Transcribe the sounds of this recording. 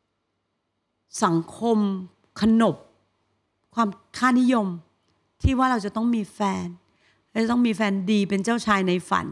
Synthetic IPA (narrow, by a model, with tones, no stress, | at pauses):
sa˩˦ŋkʰo˧m | kʰa˧no˨˩p̚ | kʰwaː˧mkʰaː˥˩ni˦˥jo˧m | t̪ʰiː˥˩waː˥˩ɾa˧wt͡ɕa˨˩t̪ɔ˥˩ŋmiː˧fɛː˧n | ɾa˧wt͡ɕa˨˩t̪ɔ˥˩ŋmiː˧fɛː˧ndiː˧pe˧nt͡ɕaː˥˩wt͡ɕʰaː˧jna˧jfa̰˩˦n